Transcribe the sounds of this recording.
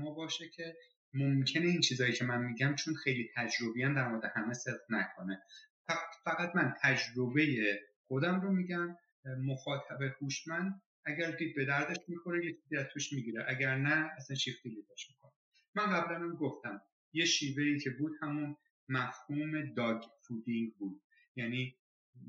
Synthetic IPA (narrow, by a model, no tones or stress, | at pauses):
mɒːbɒːʃecʰe̞ | momcʰe̞ne̞int͡ʃʰiːzɒːjicʰe̞mænmiɟæmt͡ʃʰonxejliːt̪ʰæd͡ʒɾo̞bijæmd̪æɾmoɾed̪ehæmeseb̪ʁnækʰoneffæɣæt̪ʰmænt̪ʰæd͡ʒɾo̞be̞je̞xo̞d̪æmɾomiɟæmː | oxɒːt̪ʰæbehuʃmænd̪̚ | æɟæɾd̪iːd̪̚be̞d̪æɾd̪eʃmikʰo̞nejet͡ʃʰiziæzt̪ʰoʃmiɡiɾeʔæɟæɾnæːsænʃift̪id̪id̪ɒʃmi̥kʰone | mænɢæbɾæmæmɡoft̪æm | je̞ʃiːve̞icʰe̞buːd̪̥hæmun | mæfhuːme̞d̪ɒːɡfud̪iŋɡbuːd̪̥̚ | jæniː